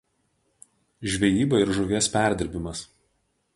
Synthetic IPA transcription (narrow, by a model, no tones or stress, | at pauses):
ʒʲʋʲɛjiːbɐɪɾʒʊʋʲeːspʲæˑɾʲd̪ʲɪɾʲbʲɪmɐs